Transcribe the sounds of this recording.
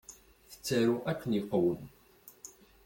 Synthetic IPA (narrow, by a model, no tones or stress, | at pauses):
θə̥t͡sːæɾuʔækʷːənjiqːwən